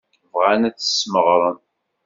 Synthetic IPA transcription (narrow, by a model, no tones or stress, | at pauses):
vʁanæt͡sːə̥sməʁɾˤən